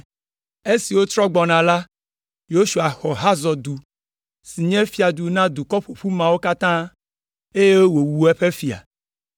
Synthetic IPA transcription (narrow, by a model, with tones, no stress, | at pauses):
e˦si˨wo˦t̪ɾɔ˦ɡ͡bɔ˨nã˨la˦ | jo˦ʃu˨a˨xɔ˨ɦa˦zɔ˨d̪u˨ | si˨ɲɛ̃˦fi˨a˨d̪u˨nã˦d̪u˨kɔ˦ɸu˨ɸu˦mã˨wo˦ka˦t̪ã˦ | e˦je˦wo˦wo˨wu˨ɛ˦ɸe˦fi˨a̰˨